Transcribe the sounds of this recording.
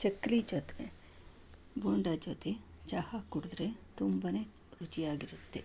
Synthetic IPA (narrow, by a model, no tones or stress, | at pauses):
t͡ʃɐkːlid͡ʒoːt̪ne | boːɳɖad͡ʒoːt̪e | t͡ʃahakuɽd̪ɾet̪umbɐne | ut͡ʃijaːɡiɾut̪ːe